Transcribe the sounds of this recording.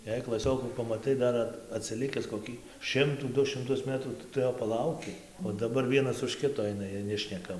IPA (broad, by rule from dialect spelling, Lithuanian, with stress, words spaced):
jɛɪ klˠɐˈsʲoːkuː pɐmɐˈtɐɪ ˈdɐr ɐt ɐtʲsʲɪˈlʲɪkʲɪs koːˈkʲiː ˈʃʲɪmtuː ˈdʊ ʃʲɪmˈtʊs ˈmʲæːtruː tɐɪ ˈtʊ ˈjoː pɐˈlˠɐʊkʲɪ oː dɐˈbɐr ˈʋʲiɛnɐs ʊʃ ˈkʲɪtoː ˈɐɪnɐ ˈjiɛj ˈnʲæːʃʲnʲɛkɐ